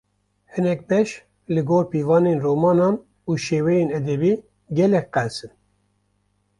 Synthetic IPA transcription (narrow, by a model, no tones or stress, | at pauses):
hɨnɛk̚bɛʃ | lɨɡoːɾpiːvɑːneːnroːmɑːnɑːn | uːʃeːwɛjeːnɛd̪ɛbiː | ɡɛlɛk̚qɛlsɨn